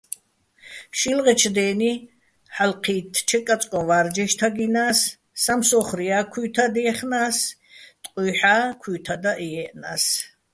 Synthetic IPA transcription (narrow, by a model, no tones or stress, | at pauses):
ʃilʁɛt͡ʃʰd̪ɛːni | ħalqʰiːt̪ʰt͡ʃʰɛkʼat͡sʼkʼɔvaɾd͡ʒɛʃt̪ʰaɡinaːsː | amsɔχɾiakʰwuːt̪ʰad̪ɛɛχnaːs | t̪ʼqʼuħaːkʰuːt̪ʰad̪aʔiɛʔnas